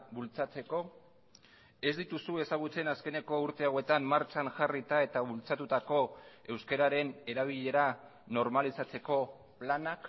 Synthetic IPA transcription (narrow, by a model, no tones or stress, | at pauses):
bult͡sat͡se̞ko̞ | e̞zd̪it̪usue̞saɣ̞ut͡se̞naske̞ne̞ko̞uɾt̪e̞awe̞t̪amːaɾt͡ʃanʝarit̪ae̞t̪aβult͡sat̪ut̪ako̞e̞wske̞ɾaɾe̞ne̞ɾaβ̞iʎe̞ɾa | no̞ɾmalisat͡se̞ko̞ | planak